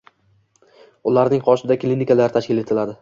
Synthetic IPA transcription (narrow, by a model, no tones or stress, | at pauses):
ʊlaɾnɪŋqʰɒʃɪd̪akʲlʲinɪkʰalaɾɪt̪ʰaʃkʲɪle̞t̪ʰɪlad̪ɪ